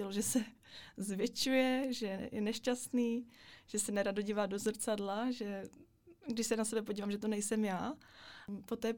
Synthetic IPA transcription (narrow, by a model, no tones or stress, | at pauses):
ɛloʒɛsɛ | zvjɛt͡ʃujɛʒɛjɛnɛʃcast̪niːʒ̥ɛsɛnɛɾadoɟiːvaːdozr̩t͡sadlaʒɛ | ɡdɪʃsɛnasɛbɛp̬oɟiːvamʒɛt̪onɛjsɛmjaː | po̞t̪ɛː